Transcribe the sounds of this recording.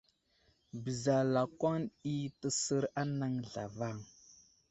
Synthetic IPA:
bə˨za˨la˨kwa˦ni˦tə˨sə˦ɾa˦na˦ŋɮa̰˨va˦˨ŋ

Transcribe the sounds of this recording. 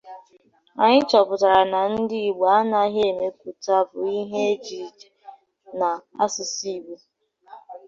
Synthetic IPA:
a̰˨ɲɪ˦t͡ʃɔ˨pʊ˨ta˨ɾa˨na˨n̩˦dɪ˦i˨ɡ͡ba˨a˦na˦ɦe˦e˨me˦ku˨ta˦bʊ˨i˦ɦe˦e˦t͡ʃi˨ɾi˨d͡ʒe̥˨ | na˨a̰˦sʊ˨si˦˨ɡ͡be˦

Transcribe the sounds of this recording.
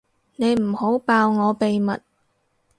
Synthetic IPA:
ne˨˧jm̩˨˩ho˨˥wpaː˧wŋɔː˨˧pe˨jmɐ˨t̚

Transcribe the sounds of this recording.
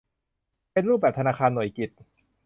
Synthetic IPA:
pe˧nɾuː˥˩bɛː˨˩p̚t̪ʰnaː˧xʰaː˧nːu˨˩˦jki˨˩t̪̚

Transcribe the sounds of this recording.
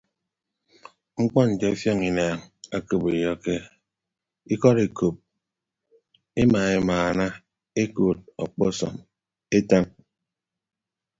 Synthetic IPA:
ŋ͡m̩˦k͡pɔ˦n̩˨d͡ʒe˨˦fjɔ˦ŋi˨na˨ŋa˦ko˦˨be˨jɔ˦ke˦ | i˦kɔ˦ɾe˨ko˨p̚ | e˦maː˨e˦˨maː˨na˦ | e˦ko˨t̚ɔ˨k͡pɔ˦sɔ̰˨m | e˦ta˦ŋ

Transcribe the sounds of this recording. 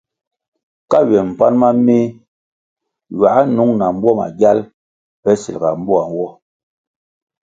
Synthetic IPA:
ka˦ɥɛ˨m̩˨pa˦nma˦mi˦ | ɥa˨˦nu˨˦ŋna˨m̩˦bwɔ˦ma̰˨ɡja˦l | pɛ˦sḭ˨lɡa̰˨m̩˦bɔ˦a˨n˨wɔ˦

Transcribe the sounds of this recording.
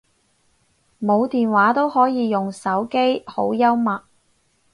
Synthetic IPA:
mo˨˧wt̪iː˨nwaː˨˥t̪o˥whɔː˨˥jiː˨˧jʊ˨ŋsɐ˨˥wke˥jho˨˥wjɐ˥wmɐ˨t̚

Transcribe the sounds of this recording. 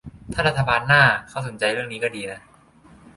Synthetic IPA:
t̪ʰa˥˩ɾa˦˥t̪ʰːa˧baː˧nːaː˥˩kʰa˥˩so˩˦nt͡ɕa˧jɾɯ˥˩ŋniː˦˥kɔ˥˩diː˧la˧˩

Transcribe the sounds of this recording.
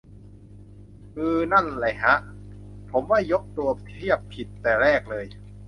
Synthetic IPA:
ʔɯː˧na˥˩nla˨˩jɦa˦˥ʔpʰo˩˦mwaː˥˩jo˦˥k̚t̪u˧ɐi˥˩əpʰi˨˩t̪ːɛː˨˩ɾɛː˥˩k̚lɤː˧j

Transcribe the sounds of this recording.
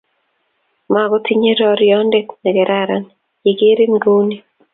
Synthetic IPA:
ma˨ɡɔ˦t̪ʰi˦ɲe˦ɾɔ˦ɾjɔ˦nde˦knɛ˨ɡɛ˨ɾaɾan | je˨ɡe˦ɾi˦ŋɡu˦ni˦

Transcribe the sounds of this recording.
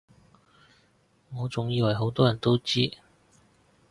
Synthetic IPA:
ŋɔː˨˧t͡sʊ˨ŋjiː˨˧wɐ˨˩jɦo˨˥wt̪ɔː˥jɐ˨˩nt̪o˥wt͡siː˥

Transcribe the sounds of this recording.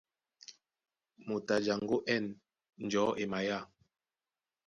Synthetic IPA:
mo˨ta˨d͡ʒa˨ŋɡo˦ʔɛ˦˨n | n̩˨d͡ʒɔ˨˦ʔe˨ma˨ja˦˨

